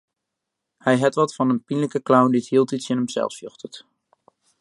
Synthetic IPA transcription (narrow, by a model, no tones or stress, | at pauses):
hɛjɦɛtʋɑtfɑnənpinləkəklawnditɦilˠtitsɪnɦəmzɛ̰lˠfsjø̰χtət